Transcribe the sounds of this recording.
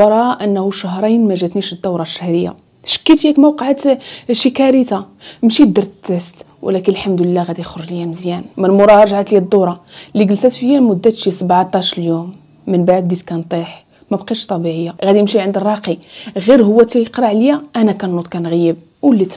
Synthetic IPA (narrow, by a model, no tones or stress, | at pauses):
ɑɾˤɑʔənːhuʃaɦɾˤijnmæʒæt̪niʃəd̪ːɑwɾˤɑʃːæhɾəjːa̰ | ʃə̥kːit̪jækmɑwqəʕat̪ʃikæɾit̪amʃid̪ɑɾˤt̪ːəst̪wʔə̰lækənəlħamd̪əlːæɣæd̪ixɾʊʒlijæməzjænmənmʊɾˤɑʒaʕat̪ljæd̪ːuɾˤɑliɡəlsæt̪fəjːælmʊd̪ːæt̪ʃisəbʕt̪ˤɑʃljumː | ənbaʕd̪ːit̪kænt̪ˤiħ | mæbqiʃt̪ˤɑbiʕəjːaɣæd̪imʃiʕənd̪ərˤːɑqiɣiɾɦʊwːæt̪ijqɾˤɑʕlijæʔænækænːut̪kænɣjəb̚ | wəlːit̪